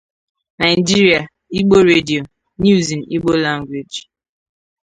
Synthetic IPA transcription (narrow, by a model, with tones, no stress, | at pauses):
na˨ɪ˨d͡ʒi˦ɾi˨a˨ | i˦ɡ͡bo˦ɾe˦di˨o˨ | nu˦zi˨n̩˨i˦ɡ͡bo˦la˦ŋɡʷwe˨d͡ʒ